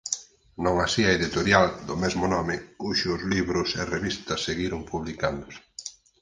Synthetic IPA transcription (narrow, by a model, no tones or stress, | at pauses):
nõŋasiɐeðit̪oɾjald̪ʊmɛzmʊnɔmɪkuʃʊzliβɾʊsɪreβist̪ɐseɣiɾʊŋpuβlikand̪ʊs